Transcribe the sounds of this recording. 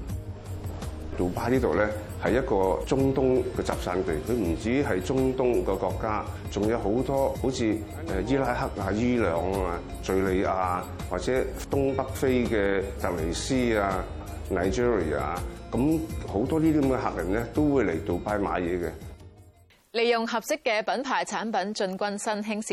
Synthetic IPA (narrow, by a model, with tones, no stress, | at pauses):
t̪o˨˩paː˧˥liː˥t̪o˨wlɛː˥ | hɐ˨jːɐ˥t̚kɔː˧t͡sʊ˥ŋt̪ʊ˥ŋkɛː˧t͡sa̰ː˨p̚saː˧nt̪e˨˩jkʰɵ˨˧ɥm̩˨˩t͡siː˨˥ɦɐ˨jt͡sʊ˥ŋt̪ʊ˥ŋkɛː˧kɔː˧kːaː˥ | t͡sʊ˨ŋja˨˧wɦo˨˥wt̪ɔː˥ho˨˥wt͡sʰiː˨˧ | ɛ˨jiː˥laː˥jhɐ˥k̚aː˧jiː˥lœː˨ŋaː˧ | t͡sɵ˧ɥle˨˧jaː˧ | waː˨k̚t͡sɛː˨˦˥t̪ʊ˥ŋpɐ˥k̚fe˥jkɛː˧t̪ɐ˨k̚le˨˩jsiː˥aː˧ | naː˨˩jt͡ʃiː˥ɹḭ˨a̰ː˨˩kɐ˨˦mho˨˥wt̪ɔː˥liː˥t̪iː˥kɐ˨˥mŋkɛ˧ɦa̰ː˨k̚lɐ˨˩lɛ˥t̪o˥wwuː˨˧jle˨˩jt̪o˨wpaː˧jma̰ː˨˧jɛː˨˧kɛ˧ | le˨jʊ˨ŋɦɐ˨p̚sɪ˥kːɛː˧pɐ˨˥npʰaː˨˩jt͡sʰaː˨˥npɐ˨˥nt͡ʃɵ˧nkʷɐ˥nsɐ˥nɦɪ˥ŋsi˨